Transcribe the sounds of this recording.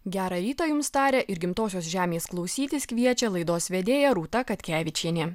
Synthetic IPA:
ɡʲæːɾɐɾʲiːt̪ɐjʊmst̪ɑːɾʲɛʔɪɾɡʲɪmt̪oːsʲoːsʒʲæːmʲeːsklˠɒʊsʲiːt̪ʲɪskʋʲiɛt͡ʃʲɛlˠɐɪd̪oːsʋʲɛd̪ʲeːjɛɾuːt̪ɐkɐt̪ʲkʲæːʋʲɪt͡ʃʲiːnʲeː

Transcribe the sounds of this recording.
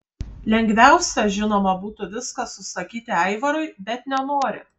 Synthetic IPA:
lʲɛŋʲɡʋʲæˑʊsʲɛʒʲɪnoːmɐbuːt̪ʊʋʲɪskɐsʊsɐkʲiːt̪ʲɪɛɪʋɐɾʊɪbʲɛt̪nʲɛnoːɾʲɪ̰

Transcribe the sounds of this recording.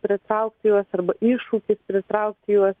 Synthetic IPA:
pʲɾʲɪt̪ɾɐʊk̚t̪ʲɪjuɔsɐrbɐʔiːʃuːkʲɪspʲɾʲɪt̪ɾɐʊk̚t̪ʲɪjuɔs

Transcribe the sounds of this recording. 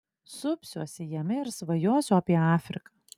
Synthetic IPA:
sʊpʲsʲuɔsʲɪjɛmʲɪɪɾsʋɐjuɔsʲʊɐpʲiɛɑːfʲɾʲɪ̰kɑ

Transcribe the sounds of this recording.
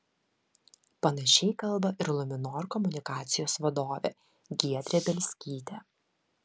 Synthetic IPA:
pɐnɐʃʲɛɪkɐlˠbɐʔɪɾlˠʊmʲɪnoːɾkɔmʊnʲɪkɑːt̪sʲɪjoːsʋɐd̪oːʋʲḛː | ɡʲiɛd̪ʲɾʲebʲɛlʲsʲkʲiːt̪ʲɛː

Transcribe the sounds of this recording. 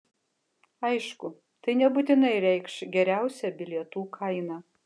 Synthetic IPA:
ɐɪʃkʊ | t̪ɐɪnʲɛbut̪ʲɪnɐɪɾʲɛɪkʃɡʲɛɾʲæˑʊsʲɛbʲɪlʲiɛt̪uːkʰɐɪnɑː

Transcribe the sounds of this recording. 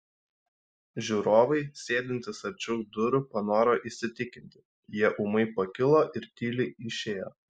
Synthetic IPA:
ʒʲuːɾoːʋɐɪsʲeːd̪ʲɪnʲt̪ʲɪsɐɾʲt͡ʃʲʊːkd̪ʊɾʊpɐnoːɾoːʔɪsʲɪt̪ʲɪkʲɪnʲt̪ʲɪ̥ | jiɛʔʊmɐɪpɐkʲɪlˠoːʔɪɾt̪ʲiːlʲɪɪʃʲeːjoː

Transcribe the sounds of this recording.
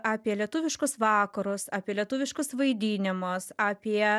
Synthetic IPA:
ɑːpʲiɛlʲiɛt̪ʊːʋʲɪʃkʊsʋɑːkɐɾʊsɑːpʲiɛlʲiɛt̪uːʋʲɪʃkʊsʋɐɪd̪ʲiːnʲɪmʊsɑːpʲiɛ

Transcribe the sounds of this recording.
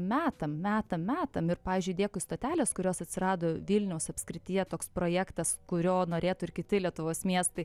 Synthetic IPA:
mʲæːt̪ɐmmʲæːt̪ɐmʲæːt̪ɐmɪɾpɑːʋʲiːzʲd͡ʒʲʊɪdʲeːkʊɪst̪oːt̪ʲæːlʲeːskʊɾʲoːsɐt̪ʲsʲɪɾɑːd̪oːʋʲiːlʲnʲɛʊsɐpʲskɾʲɪt̪ʲɪjɛt̪oːkspɾoːjæːkt̪ɐskʊɾʲoːnoːɾʲeːt̪ʊɪɾkʲɪt̪ʲɪlʲiɛt̪ʊʋoːsmʲiɛst̪ɐɪ

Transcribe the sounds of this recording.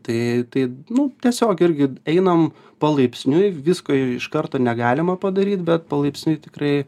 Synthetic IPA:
t̪ɐɪt̪ɐɪnʊt̪ʲiɛsʲoːkɪrʲɡʲɪɛɪnɐm | pɐlˠɐɪpʲsʲnʲʊjʋʲɪskoːɪʃkɐrt̪oːnʲɛɡɑːlʲɪmɐpɐd̪ɐɾʲiːt̪bʲɛt̪̚pɐlˠɐɪpʲsʲnʲʊɪt̪ʲɪkrɐɪ

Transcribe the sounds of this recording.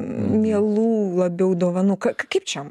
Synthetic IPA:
mʲiɛlˠuːlˠɐbʲɛʊd̪oːʋɐnukɐkkɐpt͡ʃʲɛm

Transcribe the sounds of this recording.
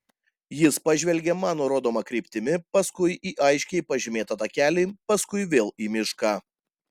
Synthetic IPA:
jɪspɐʒʲʋʲɛlʲɡʲemɑːnoːɾoːd̪oːmɐkɾʲiɪpʲt̪ʲɪmʲɪpɐskʊɪʔiːʔɐɪʃʲkʲɛɪpɐʒʲɪmʲeːt̪ɐt̪ɐkʲæːlʲiːpɐskʊɪʋʲeːlˠiːmʲɪʃkɑː

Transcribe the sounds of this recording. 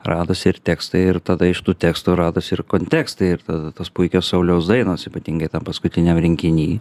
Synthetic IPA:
rɑːd̪oːsʲɪrt̪ʲæːkst̪ɐɪɪɾt̪ɐd̪ɐɪʃt̪uːt̪ʲæːkst̪uːɾɑːd̪oːsɪrkoːnʲt̪ʲæːkst̪ɐɪɪrt̪ɐd̪ɐt̪oːspʊɪkʲoːssɐʊlʲɛʊsd̪ɐɪnoːsiːpɐt̪ʲiːŋɡɐɪt̪ɐmpɐskʊt̪ʲɪnʲɛmɾʲɪŋʲkʲɪnʲiː

